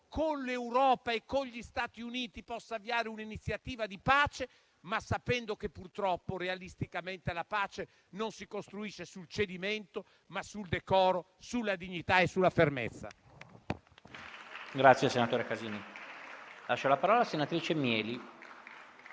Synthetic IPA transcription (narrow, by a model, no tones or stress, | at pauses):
konlewɾɔːpaekːoʎist̪aːt̪iuniːt̪ipɔsːaviaːɾeuninit̪sːjat̪iːvad̪ipaːt͡ʃe | masːapɛnd̪okepːurt̪ɾɔpːoɾealist̪ikament̪elapaːt͡ʃe | nonsikost̪ɾuiʃːesult͡ʃed̪imɛnt̪o | masuld̪ekɔːɾo | sulːad̪iɲːit̪aesulːafermḛt̪sːa̰ | ɡɾat̪sːjeasenat̪oːɾekaziːni | laʃːolapaɾɔːlasenat̪ɾiːt͡ʃemjɛːli